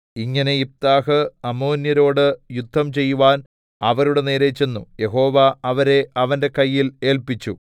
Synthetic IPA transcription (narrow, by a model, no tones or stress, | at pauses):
iŋːɐne̞ip̚t̪aːɦɨɐmo̞ːnjɐɾo̞ːɽɨjud̪ʱːɐmt͡ɕe̞jːuʋaːn | ɐʋɐɾuɽe̞neːɾe̞t͡ɕːe̞nːṵje̞ɦo̞ːʋɐɐʋɐɾe̞ʔɐʋɐnde̞kɐjːile̞ːlpit͡ɕːu